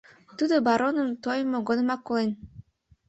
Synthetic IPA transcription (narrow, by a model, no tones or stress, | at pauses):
t̪ud̪obaɾonɤ̆nt̪ojmoɡonɤmɑkːolˠen